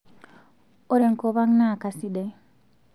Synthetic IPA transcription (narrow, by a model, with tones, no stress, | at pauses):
o˦ɾe˨ŋko˨βa˦ŋna˦˨ka˨si˦dɛ˨